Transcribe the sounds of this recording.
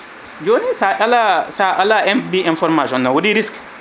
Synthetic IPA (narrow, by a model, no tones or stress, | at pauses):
d͡ʒoːnisaʔalasaʔalaɛnbiĩnfɔɾmaʃɔnːawodiɾisk